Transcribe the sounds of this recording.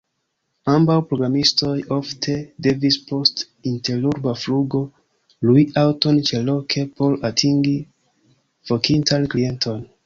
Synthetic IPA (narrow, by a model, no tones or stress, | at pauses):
ambawpɾo̞ɡɾamisto̞jo̞ftʰe̞de̞vispʰo̞st | inte̞luɾbafluɡo̞ | lujawto̞nt͡ʃe̞lo̞kʰe̞po̞latʰiŋɡi | v̥o̞kintʰanklie̞ntʰo̞n